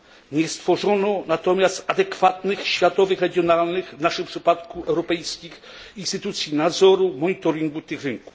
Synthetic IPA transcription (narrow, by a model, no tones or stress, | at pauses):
ɲɛst̪fɔʐɔnɔnat̪ɔmʲjast̪ad̪ɛkfat̪nɘxɕfʲjat̪ɔvɘxɾɛɡʲjɔnalnɘxvnaʂɘmpʂɘpat̪kuɛwɾɔpɛjskʲix | inst̪ɘt̪ut̪sʲjinad̪zɔɾumɔɲit̪ɔɾiŋɡut̪ɘxɾɘŋku̥